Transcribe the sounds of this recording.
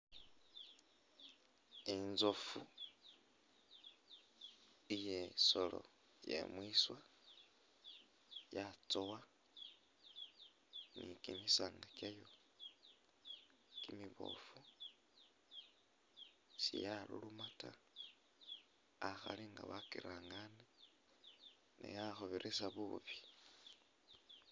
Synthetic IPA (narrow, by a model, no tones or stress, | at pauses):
enzofu | ijesolo̰ | jḛmwiswa | jat͡sowa | nikinisaŋɡakajo | kimiβo̞̰fu | sijalṵlumata | axa̰liŋɡaβakiɾaːŋɡane | nḛjaxoβiɾʔesaβuβi̥